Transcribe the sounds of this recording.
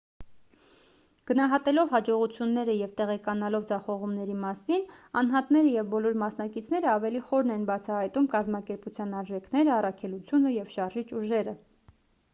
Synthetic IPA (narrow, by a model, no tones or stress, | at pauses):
ɡ̥ənɑɦɑt̪ɛlɔvhɑd͡ʒɔʁut͡sʰjunːɛɾəjɛvt̪ɛʁɛkɑnɑlɔvd͡zɑχɔʁumnɛɾimɑsinɑnɦɑt̪nɛɾəjɛvbɔlɔɾmɑsn̪ɑkit͡sʰnɛɾəɑvɛliχɔɾnɛnbɑt͡sʰɑhɑjt̪umkɑzmɑkɛɾput͡sʰjɑnɑɾʒɛkʰnɛɾəɑrɑkʰɛlut͡sʰjunəjɛvʃɑɾʒit͡ʃuʒɛɾə